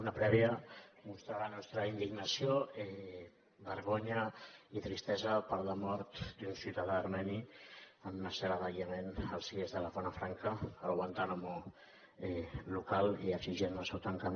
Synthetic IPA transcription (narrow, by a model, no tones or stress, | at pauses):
unapɾɛβjəmust̪ɾalanɔst̪ɾəind̪iɡnasioɛ | bəɾɣoɲait̪ɾist̪ɛzəpəɾləmɔɾt̪d̪unsut̪aðaːɾmɛniəmːəsəɾaðaɣjamenəlˠsiezðəlaβɔnafɾaŋkʰəːlɣwant̪anomo | ɛlukaliəksiʒɛnəlsɛwt̪aŋkam